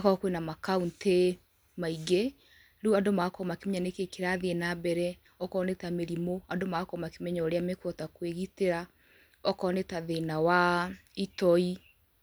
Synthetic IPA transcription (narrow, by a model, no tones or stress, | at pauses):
akɔkwenamakaunte | maiɡe | ɾuadomakɔmakemeɲanekekeɾaðeenabɛɾɛ | ɔkɔnetameɾimoadomakɔmakemɛɲɔːɾeamekwɔtakweɣiteɾa | ɔkɔnetaðenawaitɔi